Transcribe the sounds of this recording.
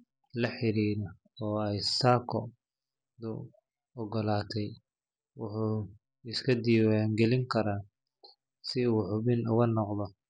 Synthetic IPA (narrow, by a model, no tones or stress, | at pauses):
lɐħɪɾiːɾɐ | ɔːɛjsaːkʰɔ | d̪ʊ | ɔɡɔlaːt̪ʰɛj | wʊħuː | ɪskʰɐd̪iːwaŋɡɛlɪŋkʰɐɾaː | sɪuːħʊβɪnʊ̰ɣɐnɔqðɔ